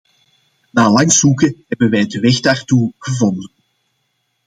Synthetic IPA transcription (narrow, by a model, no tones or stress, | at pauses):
naːlɑŋsukəɦɛbənʋɛjdəʋɛɣdaːrtuɣəvɔndən